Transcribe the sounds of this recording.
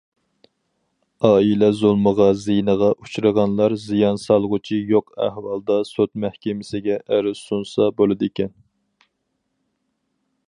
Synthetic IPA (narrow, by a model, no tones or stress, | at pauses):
ɑːilɛzulˠməʁɑzijnəʁɑʔut͡ʃʰɾəʁɑnlˠɑɾzijɑnsɑlˠʁʊt͡ʃʰijoqæ̰hwɑlˠd̪ɑsot̪mæhkʲɪmɪsɪɡʲɛʔæɾɪz̥sunsɑbolˠɨd̪ɪkʲɛn